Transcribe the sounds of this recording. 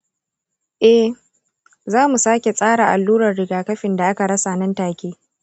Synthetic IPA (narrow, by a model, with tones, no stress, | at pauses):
ʔɛ˦h | zaː˦mu˨saː˦kʲe˨sʼaː˦ɽaː˨ʔa˨lːuː˦ɾɐ˨rɽɪ˨ɡaː˨kɐ˦ɸɪ˨nda˨ʔa˦ka˨ɽɐ˦sa˨nɐ˦ntaː˨kʲeː˦